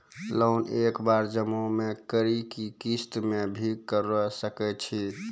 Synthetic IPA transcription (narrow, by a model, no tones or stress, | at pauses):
lonekbaɾd͡ʒəmomekəɾikikist̪mebʱikəɾəsəkɛt͡ʃʰi